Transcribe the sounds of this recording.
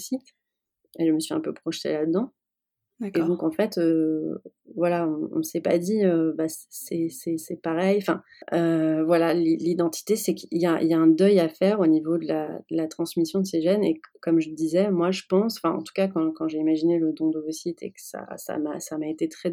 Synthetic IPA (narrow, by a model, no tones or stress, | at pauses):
si | eʒəməsɥʲiɛ̰̃pøpχɔʃt̪ḛlad̪əd̪ɑ̃ | eɔ̃kɑ̃fɛt̪ø | vwalaɔ̃ɔ̰̃məsɛpa̰d̪iøbassɛsɛsɛpaʁɛjɑ̃fɛ̃ | øvwalalilid̪ɑ̃t̪ʰi̥t̪esɛkiljaḭljaɛ̃d̪œjafɛʁonivod̪əla̰d̪̥əlat̪χɑ̃smisjɔ̃d̪əseʒɛnḛkɔmʒəd̪izɛmwaʒəpɑ̃sɑ̥̃fɛ̰̃ɑ̰̃t̪u̥kakɑ̃kɑ̃ʒeimaʒineləd̪ɔ̃d̪əvəsit̪ʰḛkə̥sa̰sa̰ma̰samaet̪et̪χɛ